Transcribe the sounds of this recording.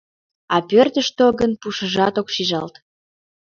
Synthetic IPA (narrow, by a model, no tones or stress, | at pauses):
ɑpørt̪əʃt̪oɣənpuʃəʒɑt̪okʃiʒɑlt̪